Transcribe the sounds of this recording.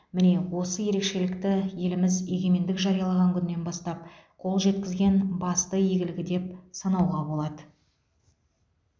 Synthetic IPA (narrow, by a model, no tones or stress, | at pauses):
mɪne̞wo̞səje̞ɾe̞kʃe̞lɪkt̪ɪje̞lɪmɪze̞ɡʲe̞me̞nd̪ɪkʒɑɾijɑlˠɑʁɑŋkʲʰʏnɪːe̞nbɑst̪ɑp̚qʰo̞lˠʒe̞t̪kʲɪzɡʲenbɑst̪əje̞ɡʲɪlɪɡʲɪd̪e̞p̚sɑnɑwʁɑbo̞lˠɑd̪ə